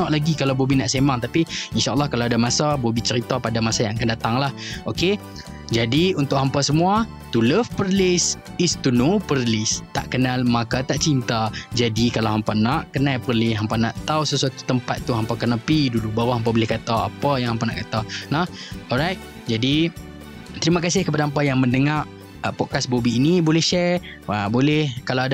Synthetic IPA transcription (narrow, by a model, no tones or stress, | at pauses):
nɔʔlaɡikalawbobinaʔsemaŋt̪apiinʃaʔalːɑhkalaadamasabobit͡ʃəɾit̪apadamasajaŋakandat̪aŋlahoke | d͡ʒadiunt̪ʊʔɦampasəmũa | t̪uləfpəɾlɪs | ist̪unopəɾlɪst̪a̰ʔkənalmakat̪aʔt͡ʃint̪ad͡ʒadikalawɦampanaʔkənãjpərlɪsɦampanaʔt̪awsəsuat̪u̥t̪əmpat̪̚ːuɦampakanapidulubawaɦamp̬abolɪhkat̪awa̰pajaŋɦampana̰ʔkat̪anɔɔɾajt̪̚ | d͡ʒadi | t̪əɾimãkasɪhkəpadaɦampajaŋmə̃ndəŋaʔ | pɔʔkasbobiːnibolɛhʃɛ | abolɛhkalawada